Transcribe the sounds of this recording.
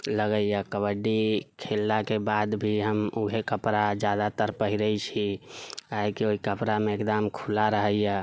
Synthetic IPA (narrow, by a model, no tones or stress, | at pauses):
ləɡəjjakəbəɖikʰelːakebad̪bʱiɦəmuɦekəpɾad͡ʒjad̪at̪əɾpəɦiɾəit͡ʃʰikaɦekioɦikəpɾameekd̪amkʰulaɾəɦəjja